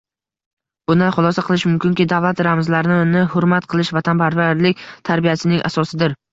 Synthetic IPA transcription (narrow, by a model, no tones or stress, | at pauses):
b̥ʊnanχʊlˠɒsaqʰɨlˠɪʃmʊmkʲʰɪŋkʲid̪avlˠat̪ɾamzlaɾɪnɪnɪhʊɾmat̪qʰɨlˠɪʃvat̪ʰanpʰaɾvaɾlɪkʲt̪ʰaɾbijasɪnɪŋʔa̰sɒsɪd̪ɪɾ